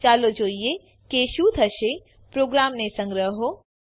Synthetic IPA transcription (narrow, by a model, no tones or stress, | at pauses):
t͡ʃaːlod͡ʒoːije | keːʃud̪ʱɐʃe | pɾoːɡɾaːmnesɐ̃ŋɡɾəɦɦo